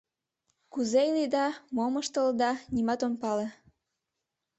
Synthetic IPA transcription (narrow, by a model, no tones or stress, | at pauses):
kuzejlid̪ɑmoməʃt̪əld̪ɑnimɑt̪onpɑle